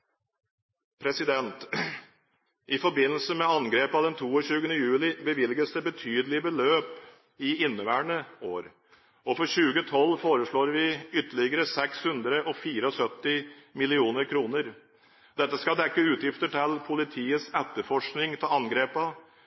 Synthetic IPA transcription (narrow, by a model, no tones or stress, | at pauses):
pʰɾɛsɪd̪ɛnt̪ | ʔɪfɔɾbɪnːəl̩səmɛɑnɡɾeːpɑd̪ɛnt̪ʰuːɔɕʉːɡənəjʉːlɪbəʋɪlɡəsd̪ɛbət̪ʰyːd̪əlɪəbəløːp | ɪɪnːəʋæːɳəoːɾ | ɔfɔɾɕʉːɡət̪ʰɔlːfoːɾəʂɭoːɾʋɪʏt̪ːəɭɪɡəɾəsɛkshʉnd̪ɾəʔɔfiːɾəɔsœt̪ːɪmɪlɪuːnəɾkʰɾuːnəɾ | d̪̥ɛt̪ːəskɑd̪ɛkːəʉːt̪jɪft̪əʈʰɪlpʰʊlɪt̪ʰiːəsɛt̪ːəɾfɔʂknɪŋt̪ʰɪlɑnɡɾeːpɑ